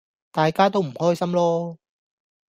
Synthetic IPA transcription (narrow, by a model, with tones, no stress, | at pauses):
t̪aː˨jkaː˥t̪o˥wm̩˨˩hɔː˥jsɐ˥mlɔː˥